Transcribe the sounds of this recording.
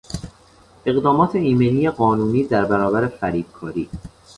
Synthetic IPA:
ʔe̞ɣd̪ɒːmɒːt̪ʰe̞iːmeniːjeɢɒːnuːniːd̪æɾbæɾɒːbæɾefæɾiːb̪̥̚kʰɒːɾiː

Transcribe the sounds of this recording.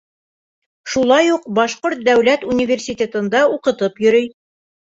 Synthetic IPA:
ʃulˠɑjuq̚bɑʃqoɾt̪̚d̪æwlæt̪unʲivʲersʲit̪ʲet̪ɤ̆nd̪ɑuqɤ̆t̪ɤpjɵ̆ɾɵj

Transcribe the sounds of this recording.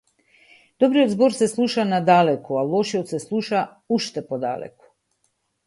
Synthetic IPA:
d̪̥ɔbɾiod̪zbɔɾsɛslˠuʃanad̪alɛkɔalˠɔʃiɔt̪sɛslˠuʃa | uʃt̪ɛpɔd̪a̰lɛ̰kɔ̥

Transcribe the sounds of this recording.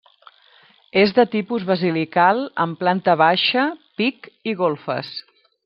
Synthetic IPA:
ezðət̪ipuzβəzilikalˠə̰mplant̪əβaʃəpikiɣolˠfə̰s

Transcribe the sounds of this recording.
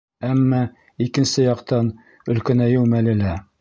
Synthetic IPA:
æmːɑ | ikɘ̆nsɘjɑqt̪ɑn | ɵ̆lkæ̆næjɘwmælɘ̆læ

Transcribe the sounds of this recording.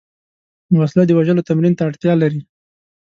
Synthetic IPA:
waslad̪əwaʒəlot̪amɾint̪aːɽt̪jɑlaɾi

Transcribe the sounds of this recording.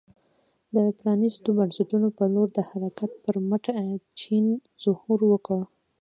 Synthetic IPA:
d̪əpɾɑnist̪obaɳsaʈunopəloɾd̪əhaɾakat̪̚pəɾməʈat͡ʃin | z̥ʊhuɾwəkəɽ

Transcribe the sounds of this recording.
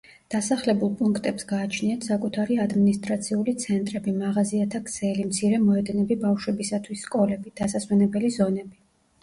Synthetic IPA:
d̪̥asaχlɛbulˠpʼuŋkʰt̪ʼɛpsɡaːt͡ʃʰniat̪ʰsakʼut̪ʰaɾiad̪minist̪ʼɾat̪sʰiulit̪sʰɛnt̪ʼɾɛbimaʁaziat̪ʰakʰsɛlimt̪sʰiɾɛmɔɛd̪ɛnɛbibafʃwɛbisat̪ʰwisːkʼɔlɛbid̪̥asaswɛnɛbɛlizɔnɛbi

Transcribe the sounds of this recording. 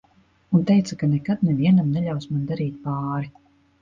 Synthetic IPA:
unt̪ɛjt̪sakanɛkad̪nɛviɛnamnɛʎawsmand̪aɾiːt̪̚paːɾi

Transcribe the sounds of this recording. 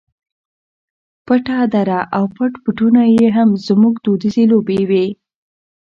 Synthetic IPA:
pəʈad̪aɾaʔawpəʈpəʈunajeɦamzmuɡd̪od̪izelobewe

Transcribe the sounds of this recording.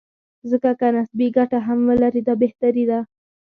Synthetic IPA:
zəkakanasbiɡaʈaɦamwəlaɾid̪ɑbeht̪aɾid̪a

